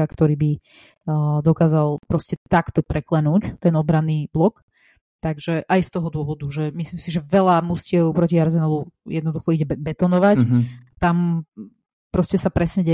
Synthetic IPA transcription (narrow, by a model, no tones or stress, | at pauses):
akt̪ɔɾiːbi | d̪ɔkaːzalpɾɔscɛt̪akt̪ɔpɾɛklɛnuːct̪ɛnɔbɾanːiːblɔk | t̪aɡʒɛʔajst̪ɔɦɔd̪ʊɔʋɔd̪uʒɛmisliːmsiʒɛʋɛlamuscɪɛʊpɾɔciaɾzɛnalujɛd̪nɔd̪uxɔiɟɛbɛt̪ɔnɔʋact̪am | pɾɔscɛsapɾɛsɲɛɟɛ